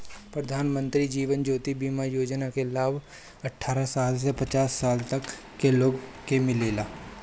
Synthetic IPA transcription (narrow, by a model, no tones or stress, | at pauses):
pɾəd̪ʱaːnmə̃nt̪ɾid͡ʒiːʋənd͡ʒoːt̪ibiːmajoːd͡ʒnakelaːb | ɐʈʰːaːɾasaːls̬epət͡ʃaːsːaːlt̪ɐkː | eloːɡkemɪleːlaː